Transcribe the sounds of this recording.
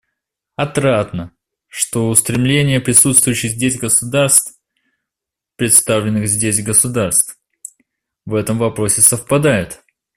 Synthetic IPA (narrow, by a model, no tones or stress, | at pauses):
ɐt̪ɾat̪nə | ʂt̪o̞ʊst̪ɾʲɪmlʲenʲɪjəpɾʲɪsut̪st̪vʊjʏɕːɪɣzʲdʲesʲɡəsʊd̪arst̪ | pɾʲɪt̪st̪avlʲɪnːɨxzʲdʲesʲɡəsʊd̪arst̪f | vɛt̪əmvɐpɾo̞sʲɪsəfpɐd̪ajɪt̪